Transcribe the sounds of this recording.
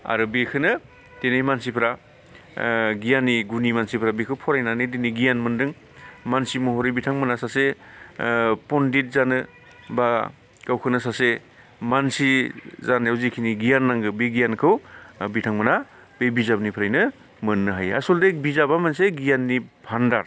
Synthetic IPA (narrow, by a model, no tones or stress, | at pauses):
a̰ɾɯbekʰɯnɯ | tenajmansipʰɾa | ɡijanːiɡunimansipʰɾabekʰɯwpʰɔɾajnanediniɡijanmɯndɯŋ | mansimuɦoɾijbitʰaŋmɯnasase | pɔndit̚zanɯ | ba | kawkʰɯnɯsase | mansizanjawzikʰiniɡijanːaŋɡɯbeɡijankʰɯwbitʰaŋmɯna | b̥ebizabnipʰɯɾajnɯ | mɯnːɯɦaja̰soldebizabamanseɡijanːipʰandaɾ